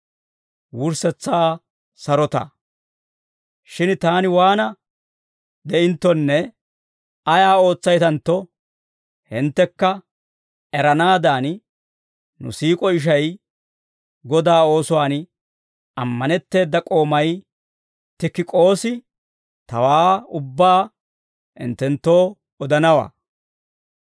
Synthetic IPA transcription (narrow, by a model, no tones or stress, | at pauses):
wʊɾsɛt͡sːaː | sɐɾɔt̪ɐ̰ | ʃɪnt̪aːnɪwaːnɐ | d̪ɛʔɪnt̪ːɔnːɛ | ɐjaːo̞ːt͡sːɐjt̪ɐnt̪ːɔ | hɪnt̪ːɛkːɐ | ɛɾɐnaːd̪aːn | nʊ̰siːkʼɔɪʃ̬ɐj | ɡɔd̪aːo̞ːsɔwaːn | ɐmːɐnɛt̪ːe̞ːd̪ːɐkʼo̞ːmɐj | t̪ɪkːɪkʼo̞ːsɪ | t̪ɐwaːʊbːaː | ɪ̰nt̪ːɛnt̪ːo̞ː | ɔd̪ɐnɐwa̰ː